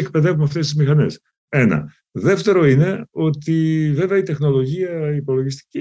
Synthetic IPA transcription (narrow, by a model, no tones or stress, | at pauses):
k̚pe̞ðe̞vumɐft̪est̪izmixɐne̞s | e̞nɐ̰ | ðe̞ft̪e̞ɾo̞ine̞o̞t̪ive̞veɐit̪e̞xno̞lo̞ʝiɐipo̞loʝist̪i̥ci